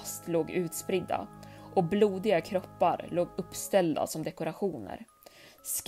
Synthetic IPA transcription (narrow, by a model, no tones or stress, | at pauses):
st̪loːɡʉ̟ːt̪spɾɪd̪ːa̰ʔɔbluːd̪ɪɡakʰɾɔpːaɾloːɡɵpːst̪ɛld̪a̰sɔmd̪ɛkʊɾaɧuːnə̰ɾ | sk